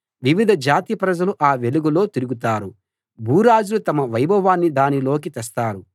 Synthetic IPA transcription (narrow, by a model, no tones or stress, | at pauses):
ʋiʋid̪ʱɐd͡ʒaːt̪ipɾɐd͡ʒɐluʔaːʋe̞luɡulo̞ːt̪iɾuɡut̪aːɾu | bʱuːɾaːd͡ʒulut̪ɐmɐʋɐjbɐʋaːnːid̪aːnilo̞ːk̬it̪ɛst̪aːɾu